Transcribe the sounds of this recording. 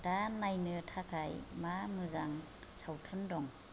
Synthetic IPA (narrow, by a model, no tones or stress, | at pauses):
danajnɯtʰakʰajmamɯzaŋ | sawtʰundɔŋ